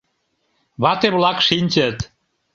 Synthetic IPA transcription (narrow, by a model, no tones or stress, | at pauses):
βɑt̪eβlɑkʃinʲt͡ɕət̪